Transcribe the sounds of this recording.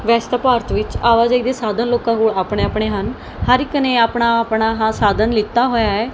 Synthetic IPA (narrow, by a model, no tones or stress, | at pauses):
ʋɛːst̪aːpaːɾt̪ʋɪt͡ʃaːʋaːd͡ʒaːid̪eːsaːd̪ənloːkãːkoːɽaːpɳeːaːpɳeːɦən | həɾɪknẽːaːpɳaːpɳaːɦãːsaːd̪ənlɪt̪ːaːɦoːjaːɛː